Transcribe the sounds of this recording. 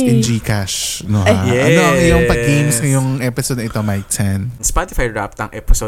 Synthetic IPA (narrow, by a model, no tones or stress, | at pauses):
ʔɛnd͡ʒiːkaʃnoɦaʔʔɐnoŋɐjʊŋpɐɡejmskɐjʊŋʔɛpɪsod̪nɐɪt̪omajk̚sɛnspat̪ɪfajɹa̰p̚t̪ɐŋʔɛpɪsod̪